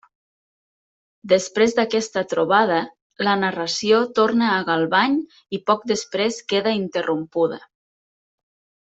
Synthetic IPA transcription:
d̪əspɾezd̪əkɛst̪ət̪ɾuβað̞ə | lənarəsiot̪ornəːɣalˠβaɲ | ipɔk̚d̪əspɾeskeðəint̪ərʔumpuðə̰

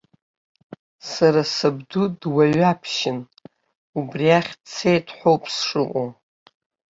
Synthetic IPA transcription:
saɾasɨbdudwaɥapʰʃɪn | ubriaχʲt͡sʰe̞jtʰʼħʷowpʼsʂɨqʷʼo

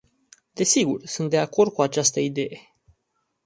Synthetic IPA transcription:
d̪e̞siɡṵrsunt̪d̪e̞ako̞rd̪̥̚kuat͡ʃast̪əid̪e̞je̞

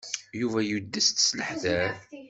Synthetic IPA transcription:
juvæjud̪ːəst̪sləħðæɾ

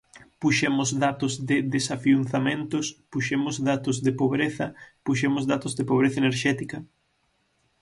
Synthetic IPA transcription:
puʃemʊzðat̪ʊzðɪðesafiunθamẽnt̪ʊspuʃemʊzðat̪ʊzðɪpoβɾeθɐpuʃ̬emʊzðat̪ʊzðepoβ̞ɾeθɐeneɾʃɛt̪ikɐ

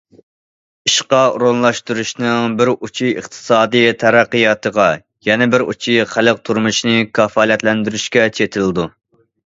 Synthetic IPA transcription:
iʃqɑṵɾonlˠɑʃt̪uɾuʃnɨŋbɪɾut͡ʃʰiɨ̰χt̪ʰɨ̥sɑːd̪ɨjt̪ʰɛɾæqːəjɑːt̪ʰəʁɑ | jɛnɛbɪɾṵt͡ʃʰijχæləq̚t̪ʰuɾmuʃnɨkʰʲɑfɑːlɛt̪lɛnd̪yɾyʃkʲɛt͡ʃʰet̪ʰɪlɨd̪u

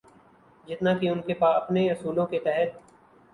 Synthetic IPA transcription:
d͡ʒɪt̪nakiʊnkepaːɐpneɐsuːlõket̪ɛɦɛt̪̚

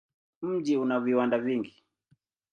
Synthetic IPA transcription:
m̩d͡ʒiunaviwandaviŋɡi

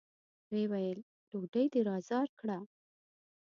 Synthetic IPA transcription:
wewajəl | loɖəjd̪əɾɑzɑɾkɽa

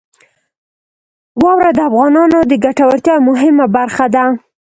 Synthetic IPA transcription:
wɑwɾad̪əafɣɑnɑnod̪əɡaʈawaɾt̪jɑmʊɦɪmabaɾxad̪a

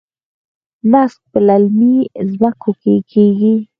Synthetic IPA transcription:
nask̚pəlalmizbakokekʰeɡi

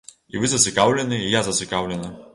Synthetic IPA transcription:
ḭvɨzɐsʲɪkawlʲɛnɨijazɐtsʲɪkawlʲɛnɐ

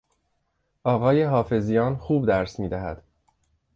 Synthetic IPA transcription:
ʔɒːɣɒːjeɦɒːfe̞zijɒːnxuːbd̪æɾsmiːd̪æɦæ̰d̪̥

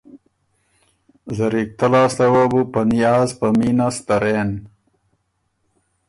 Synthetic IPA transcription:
zɐɾik̚t̪ɐlaːslɐwabupɐnijaːzpɐminast̪ɐɾen

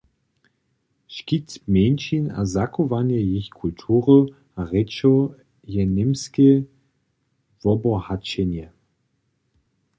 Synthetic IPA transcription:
ʃkitmʲjɛnʲʃina̰zakʰovanjɛjeçkʰultʰuːʁə | aʁɛt͡ʃɔ | jɛnɪmske | vɔbɔhat͡ʃɛnɛ

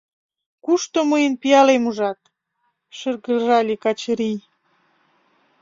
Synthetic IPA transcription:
kuʃt̪oməjənpijɑlemuʒɑt̪̚ | ʃərɣəlʒɑlʲekɑt͡ɕɾij

